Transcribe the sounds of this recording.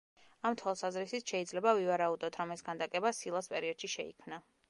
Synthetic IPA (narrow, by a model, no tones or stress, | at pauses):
amt̪ʰwalˠsazɾisit̪ʰʃɛid̪zlɛbavivaɾaud̪ɔt̪ʰɾɔmɛsɡand̪akʼɛbasilˠaspʼɛɾiɔd̪ʃiʃɛḭkʰmna